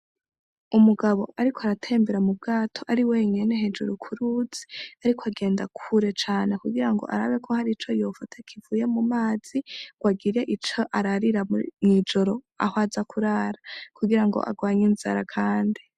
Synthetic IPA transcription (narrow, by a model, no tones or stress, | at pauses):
umuɡaβo̞ʔaɾikʰoaɾatʰe̞ːmbeɾamub̚ɡaːtʰo̞ʔaɾiwe̞ɲe̞ne̞ɦe̞d͡ʒuɾukʰuɾud͡z̥e̥aɾikʰoaɡe̞ːndakʰuɾe̞t͡ʃaːne̞kuɡiɾaŋɡo̞̰ʔa̰ɾaβe̞kʰohaɾit͡ʃo̞jo̞ːfatʰakʰivuːje̞mumaːz̥iɡ̥waɡiɾe̞ʔit͡ʃo̞ʔaɾaɾiɾamŋid͡ʒo̞ɾo̞ | a̰ɦwazakuɾaːɾakuɡiɾaŋɡo̞̰ʔa̰ɡwaːɲinza̰ɾakʰaːndi